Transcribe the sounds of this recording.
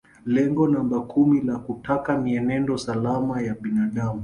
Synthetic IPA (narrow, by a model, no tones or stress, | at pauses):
lɛŋɡɔnambakʰumilakutakamiɛnɛndɔsalamajaɓinaɗamu